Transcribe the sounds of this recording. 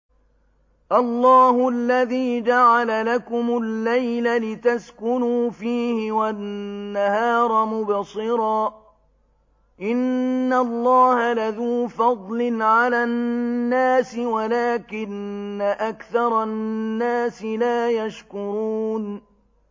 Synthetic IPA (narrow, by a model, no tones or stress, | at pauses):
ʔɑlˤːɑːhʊalːaðiːd͡ʒaʕalalakʊmʊlːajlalɪt̪askʊnuːfiːhɪwaːahɑːɾˤɑmʊbsˤɨɾɑː | ʔɪnːalˤːɑːhalaðuːfɑd̪ˤlɪnʕalaːnːaːsɪwalaːkɪnːaʔakθɑɾˤɑnːaːsɪlaːjaʃkʊɾuːn